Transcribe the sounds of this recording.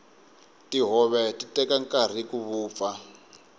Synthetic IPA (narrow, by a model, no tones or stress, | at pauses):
tiɦɔβɛtitɛkaŋkar̤ikuβuːp̪fa